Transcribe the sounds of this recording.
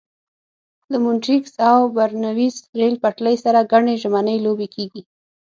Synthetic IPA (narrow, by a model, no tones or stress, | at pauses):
d̪əmʊnʈiksawbaɾnawisɾelpaʈləjsaɾaɡaɳeʒmanəjlobekʰeɡi